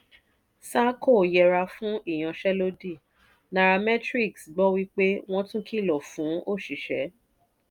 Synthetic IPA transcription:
sa˦ko˦˨jɛ˧ɾa˧fũ˨˦ʔi˦˨j̃ã˧ʃɛ˦lo˦di˦˨ | na˨ɾa˧mɛ˦tɾi˦˨ksɡ͡bɔ˦wi˦k͡pe˦w̃ɔ̃˦tũ˦kʰi˦˨lɔ˨fũ˨˦o˦˨ʃi˨ʃɛ˨˦

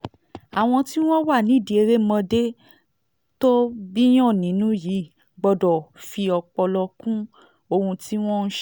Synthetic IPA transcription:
a˨w̃ɔ̃˧ti˦w̃ɔ̃˦wa˦˨nĩ˨˦˨di˨e˧ɾe˦mɔ̃˧de˦ | to˦bi˦j̃ɔ̃˦˨nĩ˨˦nũ˨˦ji˨˦˨ | ɡ͡bɔ˧dɔ˨fi˧ɔ˧k͡pɔ˧lɔ˧kũ˦ | o˧hũ˧ti˦w̃ɔ̃˦n̩˦ʃ

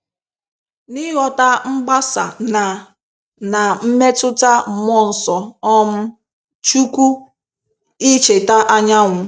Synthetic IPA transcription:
ni˦ɣɔ˨ta˦ŋ͡m̩˦ɡ͡ba˦sa̰˨na˨ | na˨m̩˦me˦tʊ˦ta˦m̩˨m˦ɔ˦n̩˨sɔ˨ɔ˦m̩˦ | t͡ʃu˦kʷu˦ | i˦t͡ʃe˨ta˦ʔa˦ɲa˦ŋʷʊ˨

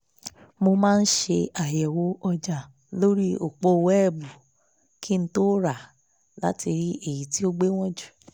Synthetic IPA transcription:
mo˧mãː˦˧n̩˦ʃe˧a˨jɛ˨wo˨˦ɔ˧d͡ʒa˨ | lo˦ɾi˦o˨k͡po˧wɛ˦˨bu˨ | ki˦n̩˦to˦ɾa˦˨ | la˨˦ti˧ɾi˦ʔe˨ji˨ti˦o˦ɡ͡be˦w̃ɔ̃˦d͡ʒu˨

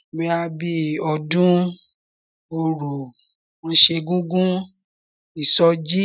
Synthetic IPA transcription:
bɛ˧˦a˧bi˧ɔ˧dũ˦ | o˧˨ɾu˨ | wɔ̃˧˦ʃe˧ɡũ˦ɡũ˦ | i˨sɔ˧d͡ʒi˦

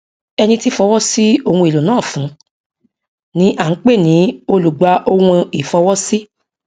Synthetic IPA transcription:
ɛ˧nĩ˧ti˦fɔ˧wɔ˦si˦o˧hũ˧i˨lo˨nãː˦˨fũ˨˦ | nĩ˦ʔa˨˦k͡pe˦˨nĩ˨˦o˧lu˨ɡ͡ba˨˧ʔo˧wũ˧i˨fɔ˧wɔ˦si˦

